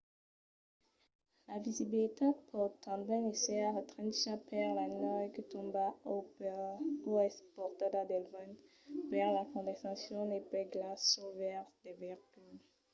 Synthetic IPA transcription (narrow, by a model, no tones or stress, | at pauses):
lavizibilit̪epʰɔʁt̪ɑ̃ndɛnesɛaʁət̪χɛ̃nʃapɛʁlanɔjkət̪ɔ̃mbao | oɛspɔʁt̪ad̪ad̪ɛlvɔn | vɛʁlakɔ̃d̪ɛsasjɔ̃nepɛɡlasovɛʁtd̪evɛʁɡyl